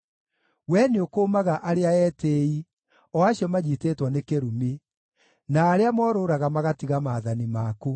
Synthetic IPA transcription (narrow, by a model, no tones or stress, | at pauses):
wɛneokoːmaɣaʔaɾeaɛtei | ɔaɕjɔmaɲiteːtwɔnekeɾume | naːɾeamɔːɾoɾaɣamaɣatiɣamaːðanimako